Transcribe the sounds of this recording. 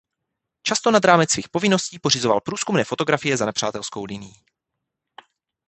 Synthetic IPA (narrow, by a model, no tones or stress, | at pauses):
t͡ʃast̪o̞nad̪ɾaːmɛt͡sːviːxpo̞vɪno̞sciːpo̞rɪzo̞va̰lpɾuːskumnɛːfo̞t̪oɡɾafɪjɛzanɛpr̝̥a̰ːt̪ɛlsko̞wlɪnɪji